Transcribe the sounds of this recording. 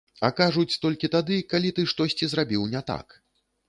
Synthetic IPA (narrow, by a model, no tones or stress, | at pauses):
ɐkaʐut͡sʲt̪ɔlʲkʲit̪ad̪ɨkalʲit̪ɨʂt̪ɔsʲt͡sʲizrabʲiwnʲɛt̪a̰k